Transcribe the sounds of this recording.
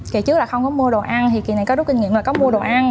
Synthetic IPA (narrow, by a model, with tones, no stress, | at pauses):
ki˨˧˨t͡ɕɨ˦˥k̚laː˨˩xə˧wŋ͡mkɔ˨˦mu˧əɗo˨˩ʔa˧nt̪ʰi˨˩ki˨˩na˨˩jkɔ˨˦zʊ˦˥t̚kï˧ŋŋḭ˧˨əlaː˨˩kɔ˨˦mu˧əɗo˨˩ʔa˧n